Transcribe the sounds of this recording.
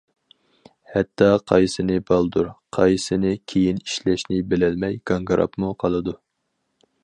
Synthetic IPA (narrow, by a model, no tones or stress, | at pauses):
hɛt̪ːɑqʰɑjsɨnɨbɑlˠd̪uɾqʰɑjsɨnɪkʲʰejiniʃlɛʃnɪbɪlɛlmɛjɡ̥ɑŋɡɑɾʔɑ̰pmuqʰɑlˠɨd̪u